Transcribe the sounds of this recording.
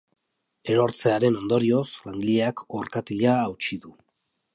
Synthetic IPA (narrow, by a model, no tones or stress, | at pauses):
e̞ɾo̞ɾt͡se̞aɾe̞no̞nd̪o̞ɾio̞slaŋɡiʎeakʰoɾkat̪iʎaːwt͡ʃiðu